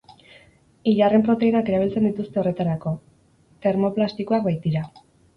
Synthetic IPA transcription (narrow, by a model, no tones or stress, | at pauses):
iʎare̞mpɾo̞t̪e̞inake̞ɾaβ̞ilt͡se̞nd̪it̪ust̪ere̞t̪aɾako̞ | t̪e̞ɾmo̞plast̪ikoakbajt̪̚d̪iɾa